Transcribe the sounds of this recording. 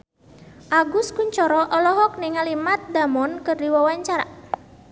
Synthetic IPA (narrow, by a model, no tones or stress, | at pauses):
ʔaɡʊskuɲt͡ʃɔɾɔʔɔlɔɦɔk̚nɪŋalimat̪̚d̪amɔnkɨrdiwawaɲt͡ʃaɾa̰